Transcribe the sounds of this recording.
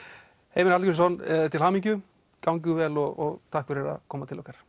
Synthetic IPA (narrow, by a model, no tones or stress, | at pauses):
heːjmɪnalkʏss̬ɔnt̪ʰɪlhaːmiɲcʏ | kawɲc̬ʏvɛlɔɣɔɣt̪ʰahkfɪɾɛɾa̰kʰɔːmat̪ʰɪlɔhkaɾ̥